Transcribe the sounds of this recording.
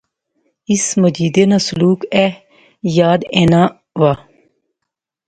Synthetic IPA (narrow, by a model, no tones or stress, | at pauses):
isməd͡ʒiːd̪enaːsʊluːkɛ | jaːd̪eːnaː | ʋaː